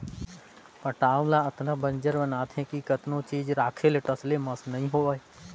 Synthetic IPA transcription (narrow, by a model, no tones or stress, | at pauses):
pɐʈãːlãɐt̪nãbənd͡ʒəɾbənaːt̪ʰɦɛ̃kikət̪nõt͡ʃiːd͡ʒɾaːkʰeleʈəslemɐsnɐɦĩɦoːaːe